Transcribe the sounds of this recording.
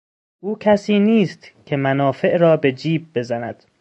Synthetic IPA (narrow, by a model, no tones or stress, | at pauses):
ʔuːkʰæsiːniːst̪kʲʰe̞mænɒːfe̞ʔɾɒːbe̞d͡ʒiːb̚ːe̞zænæd̪̥